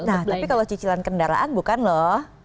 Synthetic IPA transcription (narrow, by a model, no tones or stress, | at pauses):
nat̪apikalat͡ʃit͡ʃilankəndaɾa̰ʔanbukanlɔh